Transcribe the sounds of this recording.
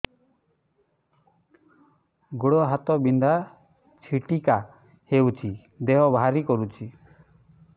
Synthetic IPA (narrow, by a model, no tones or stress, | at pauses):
ɡuɽɔɦat̪ɔbind̪a | t͡ʃʰiʈika | hewt͡ʃʰi | d̪eɦɔbʱaɾikɔɾut͡ʃʰi